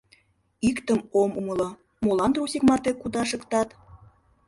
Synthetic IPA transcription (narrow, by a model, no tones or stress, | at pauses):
ikt̪əmomumə̆lɤ̆ | molɑnt̪rusʲikmɑt̪ekud̪ɑʃəkt̪ɑt̪